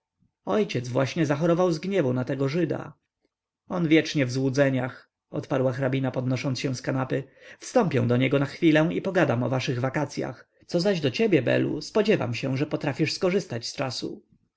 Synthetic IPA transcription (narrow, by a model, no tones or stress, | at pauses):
ɔjt͡ɕɛd̪zvwaɕɲɛzaxɔɾɔvawzɡɲɛvunat̪ɛɡɔʐɘd̪a̰ | ɔnvʲjɛt͡ʂɲɛvzwud̪zɛɲax | ɔ̰t̪paɾwaxɾabʲinapɔd̪nɔʂɔnt̪sɕɛ̃w̃skanapɘfst̪ɔmpʲjɛ̃w̃d̪ɔɲɛɡɔnaxfʲilɛw̃ipɔɡad̪amɔvaʂɘɣvakat̪sʲja̰x | t̪sɔzaʑd̪ɔt͡ɕebʲjɛbɛ̰lṵspɔd͡ʑɛva̰mɕɛ̃ʐɛpɔt̪ɾafʲiʂskɔʐɘst̪at͡ɕst͡ʂasṵ